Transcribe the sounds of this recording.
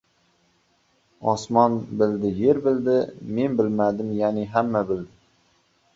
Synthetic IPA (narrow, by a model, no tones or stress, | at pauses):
ɒsmɒnbɪld̪ɪje̞ɾbɪld̪ɪme̞nbɪlmad̪ɪmjanɪɦamːabɪld̪ɪ